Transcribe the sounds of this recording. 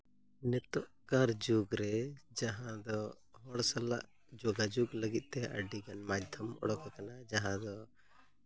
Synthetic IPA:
nɛt̪ɔʔkaɾd͡ʒuɡɾɛd͡ʒaɦãd̪ɔ | ɦɔɽsala̰ʔ | d͡ʒɔɡad͡ʒuɡləɡit̪̚ˀt̪ɛə̰ɖiɡanmad̪ʱɔmɔ̰ɽɔkakanad͡ʒaɦãd̪ɔ

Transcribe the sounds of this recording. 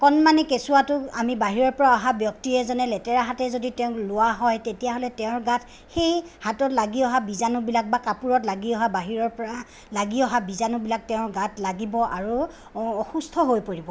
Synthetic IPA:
kɔnmanɛkesuwatʊamibaɦiɹɔɹpɔɹaɔɦabjɔk̚tiɛzɔnɛlɛtɛɹaɦatɛzoditeʊ̃klʊwaɦɔjtetijaɦolɛteʊ̃ɹɡatʰ | xejhatɔtlaɡiɔɦabizanʊbilak̚bakapuɹɔtlaɡiɔɦabaɦiɹɔɹpɔɹa | laɡiɔɦabizanʊbilak̚tɛʊ̃ɹɡatʰlaɡibɔʔa̰ɹu | ɔxustʰɔɦojpoɹibɔ

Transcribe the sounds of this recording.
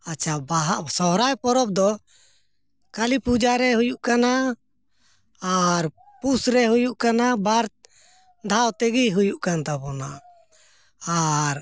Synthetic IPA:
at͡ʃʰabaɦaʔsɔɦɾajpɔɾɔb̚d̪ɔ | kalipud͡ʒaɾɛɦujuʔkana | aɾ | pusɾɛɦujuʔkanabaɾ | d̪ʱawt̪ɛɡiɦujuʔkant̪abɔna | ɾ

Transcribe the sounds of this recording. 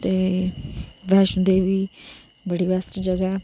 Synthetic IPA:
t̪eː | ʋɛːʃʊnd̪eʋiː | bəɽiːʋəsʈd͡ʒəɡɛ

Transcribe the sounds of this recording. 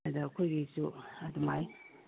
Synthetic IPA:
ɐdɐkʰojɡisuɐdumaj

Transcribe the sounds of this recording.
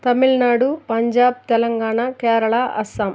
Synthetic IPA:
t̪ɐmilnaːɽupɐɲd͡ʒaːb̚t̪ɛlɐŋɡaːɳaːkɛːɾɐɭaːʔɐ̰sɐm

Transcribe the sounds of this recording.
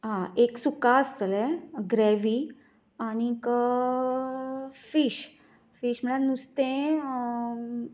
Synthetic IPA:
ɦãeksukast̪əlɛɡɾɛʋi | anik | fiɕ | fiɕm̤əɽanust̪ẽ

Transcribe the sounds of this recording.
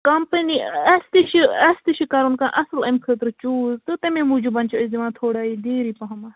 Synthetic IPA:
kɐmpəniɐst̪iʃiɐst̪iʃikaɾunkãːʔɐsəlɐmkʰəːt̪ɾt͡ʃuːzt̪ɨt̪ɐmẽːmũːd͡ʒubɐnʲt͡ʃoɪzd̪imãːt̪ʰoːɽaːid̪eːɾipɐɦɐmaː

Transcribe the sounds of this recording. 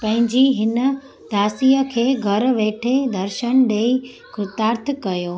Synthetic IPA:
pɐ̃ɦɪ̃ɲd͡ʑiɦɪnə̆ | d̪ʱaːsijəkʰeːɡʱɐɾʋeːʈʰed̪ɐɾʃəñɗeːi | ɡʊt̪aːɾt̪ʰkɐjoː

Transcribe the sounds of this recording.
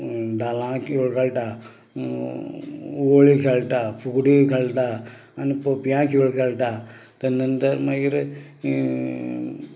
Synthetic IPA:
ɖalãkʰiɭkʰelʈa | ʋoɭikʰelʈ̪apʰukɽikʰeɭt̪aː | nipopjãkʰiɭkʰelʈ̪at̪ənənt̪əɾməɡiɾ

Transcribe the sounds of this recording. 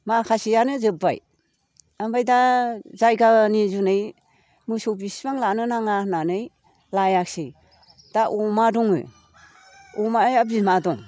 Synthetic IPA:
makʰasijanɯzɯba̰j | ambajdazajɡanizunɯj | mɯsowbisibaŋlanɯnaŋananɯj | lajaksi | d̥aʔɔmadɔŋɯ̰ | ɔmaajabimadɔŋ

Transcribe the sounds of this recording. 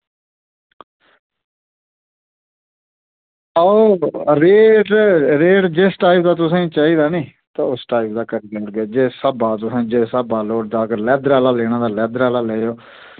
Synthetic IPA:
aoːɾeːɖɾeːʈd͡ʒesʈaːipd̪aːt̪ʊsãːĩːt͡ʃaːiːd̪aːnĩːt̪ãːʊsʈaːip̚d̪aːkəɾiːɡaːɾɡeːd͡ʒeːsəbaːt̪ʊsãːd͡ʒeːsəbaːloːʈd̪aːkəɾlɛːd̪ɾaːlaːleːɽ̃aːd̪aːlɛːd̪ɾaːlaːleːjoː

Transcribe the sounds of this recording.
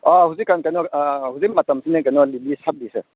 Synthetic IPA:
ɔhuzikːankajnɔhuzik̚matɐmsinɯkanɔlilisap̚dise

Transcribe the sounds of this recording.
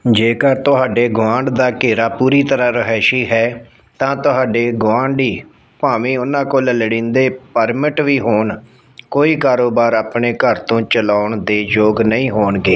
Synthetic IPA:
d͡ʒeːkəɾt̪ʊɦaːɖeːɡʊʋãːɳɖd̪aːkeːɾaːpuːɾiːt̪əɾãːɾəɦɛːʃiːɦɛː | t̪ãːt̪ʊɦaːɖeːɡʊʋãːɳɖiː | paːʋĩːʊnãːkoːllɽĩːnd̪eːpəɾmɪʈʋiːɦoːn | koːiːkaːɾoːbaːɾaːpɳeːkəɾt̪õːt͡ʃəlaːʊɳd̪eːd͡ʒoːɡnəĩːɦoːnɡeː

